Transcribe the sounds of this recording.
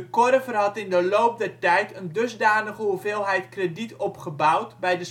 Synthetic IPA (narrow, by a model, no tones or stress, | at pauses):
əkɔrəvərɦɑtɪndəloːp̚dɛrtɛjtʰəndøzdaːnəχəuveːlˠɦɛjtkreditʰɔpχəbawtbɛjdə